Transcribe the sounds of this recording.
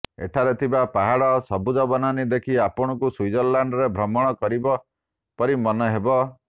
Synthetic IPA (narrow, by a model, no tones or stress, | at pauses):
ḛʈʰaɾet̪ʰibapaɦaɽɔsɔbud͡ʒɔbɔnanid̪ekʰiapɔɽ̃ɔkusujd͡ʒɔɾlaɳɖɔɾebʱɾɔmɔɽ̃ɔkɔɾibɔ | pɔɾimɔnɔɦebɔ